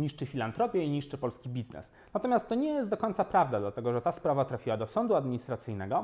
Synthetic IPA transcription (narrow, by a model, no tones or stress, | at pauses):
ɲiʂt͡ʂɘfʲilant̪ɾɔpʲjɛiɲiʂt͡ʂɘpɔlskʲibʲiznɛ̰s | nat̪ɔmjast̪ːɔɲɛjɛst̪d̪ɔkɔɲt̪sapɾavd̪ad̪lat̪ɛɡɔʐɛt̪aspɾavat̪ɾafʲiwad̪ɔsɔnd̪uad̪mʲiɲist̪ɾat̪sɘjnɛɡɔ